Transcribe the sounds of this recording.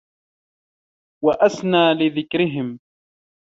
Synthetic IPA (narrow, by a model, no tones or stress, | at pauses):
waʔasnaːlɪðɪkɾɪɦɪm